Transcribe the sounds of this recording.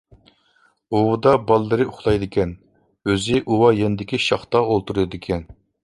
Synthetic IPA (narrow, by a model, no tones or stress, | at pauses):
owud̪ɑbɑlˠːɨɾɨʊχlˠɑjd̪ɪkʲɛn | øzɪʔuwɑjenɪd̪ɪkʲiʃɑχt̪ɑolˠt̪uɾɨd̪ɪkʲʰɛn